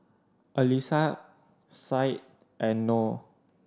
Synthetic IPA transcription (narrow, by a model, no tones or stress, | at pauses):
ʔəlisa | sajt̚ | ʔɛno